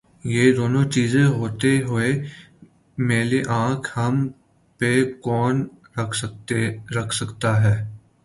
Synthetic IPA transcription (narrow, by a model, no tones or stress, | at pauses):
jeːd̪oːnõt͡ʃiːzẽɦoːt̪eɦʊe | meːleʔãːkʰhɐm | pekɔːn | ɐkʰeɾɐkʰsɐkt̪aɦɛː